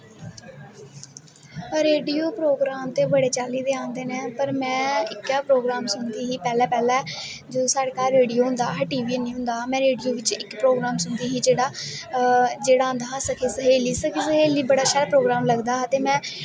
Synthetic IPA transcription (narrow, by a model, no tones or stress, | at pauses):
ɾeːɖijoːpɾoːɡɾaːmt̪eːbəɽeːt͡ʃaːliːd̪eːãːnd̪eːnẽːpəɾmɛ̃ːɪkɛːpɾoːɡɾaːmsʊɳd̪iːɦiːpɛːlɛːpɛːlɛː | d͡ʒosaːɽekaːɾːeːɖijoːɦʊ̃nd̪a̰ːɦʈiːʋiːnĩːɦʊ̃nd̪aːmɛ̃ːɾeːɖijoːʋɪt͡ʃɪkpɾoːɡɾaːmsʊnd̪iːɦiːd͡ʒeːɽaː | d͡ʒeːɽãːnd̪aːɦsəkʰeːsəɦeːliːsəkʰeːsəɦeːliːbəɽaːʃəɾpɾoːɡɾaːmləɡd̪aːət̪eːmɛ̃ː